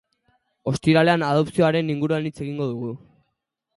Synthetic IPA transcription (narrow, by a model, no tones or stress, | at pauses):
o̞st̪iɾale̞anað̞o̞psio̞aɾe̞niŋɡuɾuanit͡se̞ɣiŋɡo̞ðuɣ̞u